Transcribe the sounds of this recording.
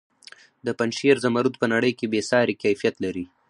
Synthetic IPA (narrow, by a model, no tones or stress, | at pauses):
d̪əpanʃeɾzamaɾud̪̚pənaɽəjkebesɑːɾekajfijat̪laɾi